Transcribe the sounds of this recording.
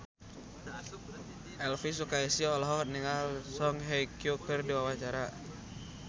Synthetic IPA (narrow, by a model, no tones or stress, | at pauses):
ʔɛlfis̬ukaisilɔɦɔk̪̚niŋalsɔŋɦɛjkjukərdiwawaht͡ʃaɾa